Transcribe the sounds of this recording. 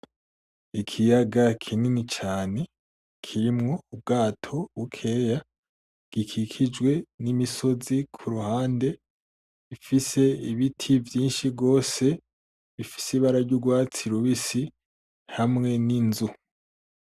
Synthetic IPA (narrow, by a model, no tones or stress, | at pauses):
ikʰijaɡakʰininit͡ʃaːne̞ | kʰiɾimŋo̞ubɡaːtʰo̞ukʰe̞ːja | ɡ̥ikʰikʰid͡ʒwe̞nimiso̞zikʰuɾuhaːnde̞ | βifise̞iβitʰivjiːnʃiɡo̞ːse̞ | βifi̥siβaɾaɾɟuɡwaːt͡siɾuβisi | hamŋe̞ninzu